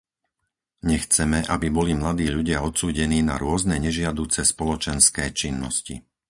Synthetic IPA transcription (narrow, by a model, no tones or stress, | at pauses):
ɲɛxt͡sɛmɛʔabibɔlimlad̪iːʎuɟɪaɔt̪suːɟɛniːna̰ɾʊɔznɛɲɛʒɪad̪uːt͡sɛspɔlɔt͡ʃɛnskɛːt͡ʃinːɔ̰scḭ